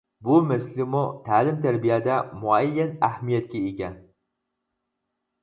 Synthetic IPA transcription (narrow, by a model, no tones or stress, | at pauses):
bumæslɪmut̪ʰæːlɪmt̪ʰæɾbijæd̪æmʊæjːɛnæhmijɛt̪̚kʲɛekʲɛn